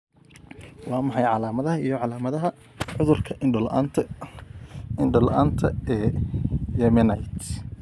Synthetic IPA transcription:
wɑːmɑħɑjʕɑlaːmɐðɐɦɐijɞʕɑlaːmɐðɐɦɐ | ʕʊðʊrkʰɐʔɪɖlan | ɪnɖɔlʔa̰ːnt̪ʰɐɛːjɛmɛnɐjt̪

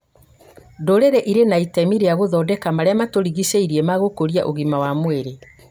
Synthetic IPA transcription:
doɾeɾɛʔiɾenaitɛmiɾeaɣoðɔdɛkamaɾeamatoɾiɣiseiɾiemaɣokoɾiaʔoɣimawamweɾe

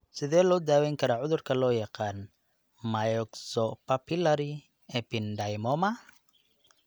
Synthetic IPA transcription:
sɪðɛːlɔːd̪aːwɛjŋkʰɐɾaːʕʊðʊrkʰɐlɔːjɑqɑːn | majɔksɔpɐpʰɪlɐɾi | ɛpɪndɐjmɔmɐ

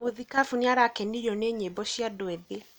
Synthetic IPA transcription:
oðikafunjaɾakɛniɾɔneɲebɔɕiadoɛðe

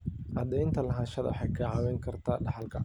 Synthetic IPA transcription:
ʔɐd̪ɛjnt̪ʰɐlɐɦaːnʃɐðɐ̰wħɑjkʰɐːʕɑwɛŋkʰɐrt̪ʰaːɖɑħɑlkʰɐ

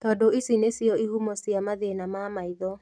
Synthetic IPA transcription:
tɔːdoisinesjɔiɦumɔsjamaðenamamaiðɔ

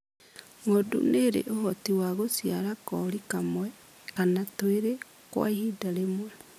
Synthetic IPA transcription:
ŋodṵneɾḛʔohɔtiwaɣosiaɾakɔɾikamwɛ | kanatweɾe | kwa̰ihidaɾemwɛ

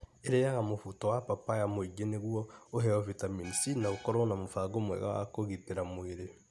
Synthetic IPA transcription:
eɾejaɣamofutɔwapapajamoiɡeneɣwɔoɦɛɔvitaminisinaokɔɾɔnamofaɡomwɛ̰ɣa̰wa̰koɣiteɾamoeɾe

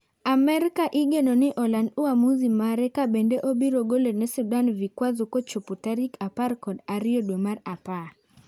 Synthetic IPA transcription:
amɛɾkaʔiɡenonɪʔɔlanduamuzimaɾɛkabendeʔobiɾoɡolenɛsudanvikwazɔkot͡ʃuputaɾikapaɾkɔdaɾɪodwemaɾapar

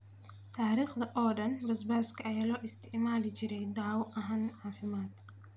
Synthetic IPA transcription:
t̪ʰaːɾiːχd̪ɐʔɔːɖɐnbɐsbaːskʰɐɐjaːlɔːʔɪst̪ʰɪʕmaːlɪt͡ʃɪɾɛjd̪aʕwɔʔɐɦanʕaːfɪmaːd̪

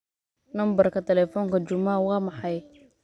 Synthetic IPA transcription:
nɐmbɐrkʰɐt̪ʰɛlɛfɔːŋkɐt͡ʃʊmawɑːmɑħɑj

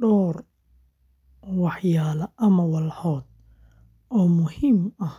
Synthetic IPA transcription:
ɖɔːr | wɑħjaːlɐʔɐmɐwɑlħɔːd̪̚ | ʔɔːmʊhɪmɐh

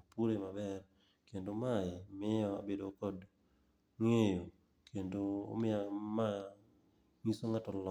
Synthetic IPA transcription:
puɾemabɛr | kendomaɪmɪɔa̰bedokɔd | ŋejo | kʰendo̰ːmɪama | ŋisoŋatɔlɔ

